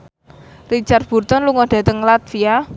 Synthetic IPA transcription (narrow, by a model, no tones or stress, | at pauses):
rit͡ʃard̪̚b̥ṳrt̪ɔnluŋɔɖ̥ä̤t̪əŋlat̪fia